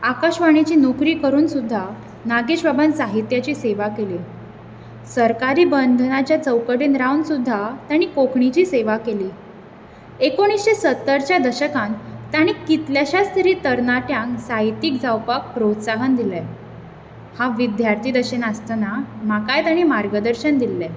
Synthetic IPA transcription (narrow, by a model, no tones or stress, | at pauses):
akaɕʋaɽ̃it͡ɕiːnokɾiːkəɾuːnsud̪ʱːa | naɡeɕbabənsaɦit̪jat͡ɕiːseʋakeli | səɾkaɾiːbənd̪ʱənat͡ɕjat͡səwkəɽenɾawnsud̪ʱːat̪jaɽ̃iːkokʰɳit͡ɕiːseʋakeliː | ekoɽ̃isɕesət̪ːəɾt͡ɕjad̪əɕəkãnt̪aɽ̃ikit̪ljaɕast̪ʰɾiːt̪əɾnaʈjãŋksait̪iːkd͡zawpak̚pɾot̪saɦənd̪ilɛ | haʋid̪jaɾt̪ʰiːd̪əɕenəst̪namakajt̪aɽ̃imaɾɡəd̪əɾɕənd̪ilːɛ